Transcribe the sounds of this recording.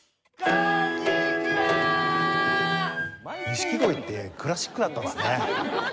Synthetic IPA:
miɕi̥kɯd̪oit̪ːe̞kʰɯɾaɕi̥kːɯnat̪ːãnsɨne

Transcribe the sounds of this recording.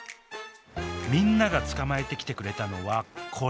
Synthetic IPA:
mʲĩnːaɡat͡sɨ̥kamae̞t̪e̞kʲi̥t̪e̞kɯ̟ɾe̞t̪ano̞βakʰo̞

